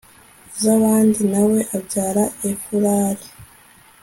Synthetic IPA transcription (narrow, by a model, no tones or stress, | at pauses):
zaβaːndinawe̞ʔabɟaːɾaefuɾaːɾi